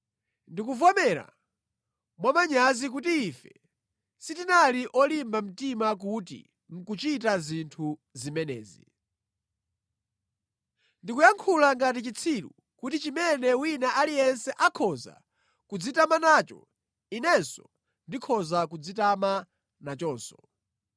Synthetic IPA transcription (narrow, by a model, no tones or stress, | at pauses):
ndikuvɔmɛɾa̰ | mwamaɲazik̬utiːfɛ | sitinaliʔɔlimbam̩timak̬utḭ | ŋ̩kut͡ʃitazintʰuzimɛnɛ̰ːzḭ | ndikujaŋkʰulaŋɡat̬it͡ʃit͡sʰilṵ | kutit͡ʃimɛnɛwinaʔalijɛnsɛʔakʰɔza̰ | kud͡zitamanaːt͡ʃɔ̰ | inɛnsɔ | ndikʰɔzakud͡zitama | nat͡ʃɔːnsɔ̥